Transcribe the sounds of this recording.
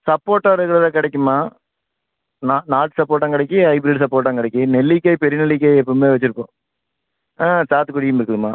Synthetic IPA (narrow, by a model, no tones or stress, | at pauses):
sɐpːoːʈːaːɾɯkːɐɾɐðãːkɪɽɛk̬ʲːɯmːaː | naːnaːʈsɐpːoːʈːãŋkɪɽɐɛk̬ʲːɯɐɪbɾiːɖsɐpːoːʈːãːŋkɪɽɛkʲːɯnɛlːɪkːɐjpɛɾɪnɛlːɪk̬ːɐjɛpːɐmeːʋɐt͡ʃːɪɾɯpːõ̰ː | ãːsaːt̪ːɯkːʊɽɪkːɯmɪɾɯkːɯðɯma̰ː